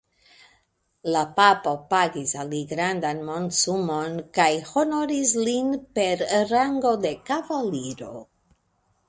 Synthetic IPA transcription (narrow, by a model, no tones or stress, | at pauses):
lapapo̞paɡisaliɡɾand̪anmo̞ntsumo̞nkajho̞noɾislinpe̞ɾɾaŋɡo̞de̞kavaliɾo̞̰